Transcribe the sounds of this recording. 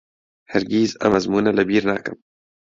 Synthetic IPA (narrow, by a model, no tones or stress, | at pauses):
hɛɾɡiːzɐ̰mɐzmuːnalɐbiːɾna̰ːkɨ̰m